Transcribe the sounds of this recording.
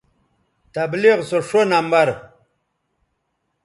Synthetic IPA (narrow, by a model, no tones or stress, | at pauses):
t̪ɐbliʁsoʂonambɐɾ